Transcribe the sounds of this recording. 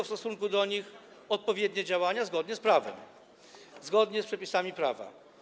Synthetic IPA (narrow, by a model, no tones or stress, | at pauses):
fst̪ɔsuŋkud̪ɔɲix | ɔt̪̚pɔvʲjɛd̪ʲɲɛd͡ʑawaɲazɡɔd̪ɲɛspɾavɛ̰m | zɡɔd̪ɲɛspʂɛpʲisamʲipɾava̰